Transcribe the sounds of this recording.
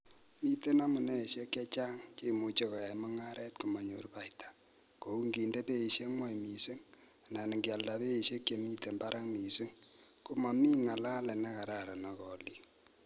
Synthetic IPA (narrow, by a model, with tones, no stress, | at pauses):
mi˦te˦na˦mʊ˨nɛ˦e˨ʃe˦kje˦t͡ʃa˦ŋt͡ʃe˦˨mu˨t͡ʃe˦kɔ˨a˨mɔ˦ŋa˦ɾɛ˦tku˨ma˨ɲo˨rpa˨itḁ˨ | ko˨u˦ŋɡi˨nde˦pe˦i˨ʃe˦mwa˦jmi˨se˦ŋ˨ | na˨nɪ˨ŋɡɪ˨a˨lda˨pe˦i˨ʃe˦kːje˨mi˦te˨mba˦ɾʔa˦ŋmi˨se˦ŋ | ku˦ma˨mi˦ŋa˨la˦lɛ˨na˦ka˨ɾa˦˨ɾa˨na˨kɔ˨li˨